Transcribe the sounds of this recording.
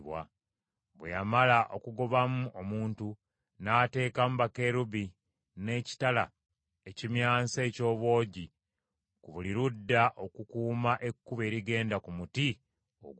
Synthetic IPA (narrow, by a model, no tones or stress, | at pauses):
βwa̰ | βwḛjamalaʔo̞kuɡo̞βamuomuːntu | naːte̞ːkamubake̞ɾuβi | ne̞ci̥tala̰ | ecimjaːnseːco̞ːβwo̞ːɟi | kuβuliɾudːaʔo̞kukuːmaʔe̞kːuβe̞ːɾiɡe̞ːndakumuti | o̰ɡ